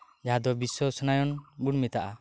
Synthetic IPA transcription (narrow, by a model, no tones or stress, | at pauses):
d͡ʒaɦad̪ɔbiswɔsɔnajɔnbuɽmit̪aʔa